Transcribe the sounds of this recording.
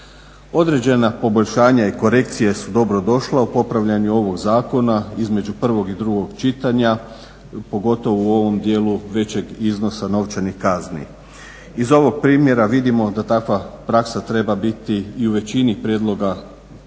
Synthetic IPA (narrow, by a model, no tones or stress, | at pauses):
o̞d̪ɾe̞d͡ʑe̞napo̞boʎʲʃaːɲaiko̞ɾe̞kt̪sijesud̪o̞bɾo̞d̪o̞ʃlaupo̞pɾaʋʎaɲuo̞ʋo̞ɡzaːko̞naizme̞d͡ʑupr̩ʋo̞ɡid̪ɾuɡo̞ɡt͡ʃit̪aɲa | po̞ɡo̞t̪o̞ʋouo̞ʋo̞md̪jeːluʋe̞t͡ɕe̞ɡizno̞sano̞ʋt͡ʃanixkaznḭ | izo̞ʋo̞ɡ̚pɾiːmje̞ɾaʋid̪imo̞d̪at̪akʋapɾaksat̪ɾe̞babit̪iːuʋe̞t͡ɕinipɾjed̪lo̞ɡa